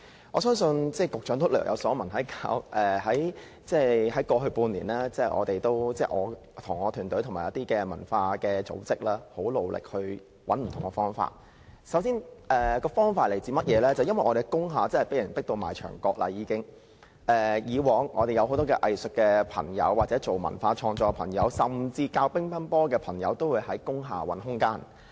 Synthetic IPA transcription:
ʔɔː˨˧sœː˥ŋsɵ˧nt͡sɛː˥˩kʊ˨k̚t͡ʃœː˨˥ŋt̪o˥lœ̰ː˨˩ŋjɐ̰˨˧wsɔː˨˥mɐ˨˩nɦɐ˨˥jkaː˧˥wʔɛː˨˩ɦɐ˨˥j | t͡sɛː˥˩hɐ˨˥jkɔː˧ɦɵ˧ɥpuː˧nliː˨˩nlaː˥t͡sɛː˥˩ʔɔ̰ː˨˧t̪e˨jt̪o˥wt͡sɛː˥˩ʔɔ̰ː˨˧ | t̪ʰʊ˨˩ŋɔː˨˧t̪ʰyː˨˩nt̪ɔ˨˥jt̪ʰʊ˨˩maː˨˩jɐ˥t̪iː˥kɛː˧mɐ˨˩nfaː˧kɛː˧t͡so̰˨˥wt͡sɪ˥k̚laː˥ho˨˥wlo˨wlʔɪ̰˨k̚hɵ˧ɥ | wɐ˨˥nm̩˨t̪ʰʊ˨˩ŋkɛ˧fɔː˥ŋfa̰ː˧t̚ | sɐ˨˥wsiː˥nʔɛː˨kɔː˧fɔː˥ŋfaː˧t̚le˨˩jt͡siː˨˧mɐ˥t̚jɛː˨˧lɛː˥t͡sɐ˨wjɐ˥nwɐ˨jʔɔː˨˧e˨˩jkʊ˥ŋɦaː˨t͡sɐ˥nhɐ˨˩jpe˨˥jɐ˨˩npɪ˥k̚t̪o˧wma̰ː˨˩jt͡ʃʰœ̰ː˨˩ŋkɔː˧k̚la̰˧jiː˨˧kɪ˥ŋ | ʔɛː˨jiː˨˧wɔː˨˥ŋʔɔː˨˧ɾe˨jɐ˨˧who˨˥wt̪ɔː˥kɛ̰ː˧ʔɐ˨jsɵ˨k̚kːɛː˧pʰɐ̰˨˩ŋjɐ̰˨˧wːaː˨t̚t͡sɛː˨˥t͡so˨wmɐ̰˨˩nfaː˧t͡ʃʰɔː˧ŋt͡sɔː˧pʰɐ̰˨˩ŋjɐ˨˧wsɐ˨˩mt͡siː˧kaː˧wpɪ˥ŋpʰɐ˥npɔː˥kɛː˧pʰɐ˨˩ŋjɐ̰˨˧wt̪o˥wuː˨˧jhɐ˨˥jkʊ˥ŋɦa̰ː˨wɐ˨˥nɦʊ˥ŋkaː˥n

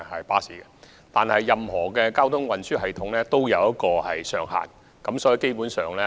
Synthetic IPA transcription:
hɐ˨jpaː˥siː˨˥ɡɛ˧ | t̪aː˨nhɐ˨jːɐ˨mhɔː˨˩kɛː˧kaː˥wt̪ʰʊ˥ŋwɐ˨nsyː˥hɐ˨jt̪ʰʊ˨˥ŋlɛː˥t̪o˥wjɐ˨˧wjɐ˥t̚kɔː˧hɐ̰˨jsœː˨˧ŋɦa̰ː˨˩n | kɐ˨˥msɔː˨˥ji˨˧ke˥jpuː˨˥nsœː˨ŋlɛː˥

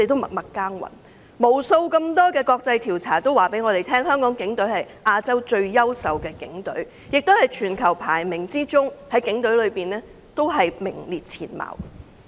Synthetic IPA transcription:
te˨t̪o˥mɐ̰˨˩mɐ˨kkːaː˥ŋwɐ̰˨˩n | mo˨˩wso˧wkɐ˧mt̪ɔː˥kɛː˧kɔː˧k̚t͡sɐ˧jt̪ʰiː˨˩wt͡sʰaː˨˩t̪o˥waː˨˩pe˨˥jŋɔː˨˧ɾe˨jt̪ʰɛː˥ŋhœː˥ŋkɔː˨˥ŋkɪ˨˥ŋt̪ɵ˨˥ɥhɐ˨˩j | ʔaː˧t͡sɐ˥wt͡ʃɵ˧ɥjɐ˥wsɐ˨wkɛː˧kɪ̰˨˥ŋt̪ɵ̰˨˥ɥ | jɪ˨k̚t̪o˥whɐ˨jt͡ʃʰyː˨˩nkʰɐ˨˩wpʰaː˨˩jmɪ˨˩ŋt͡siː˥t͡ʃʊ˥ŋhɐ˨˥jkɪ˨˥ŋt̪ɵ˨˥ɥlɵ˨˧ɥpiː˨˩nlɛː˥ | t̪o˥wɦɐ˨jmɪ˨˩ŋliː˨˩t̚t͡sʰiː˨˩nma̰ː˨˩w

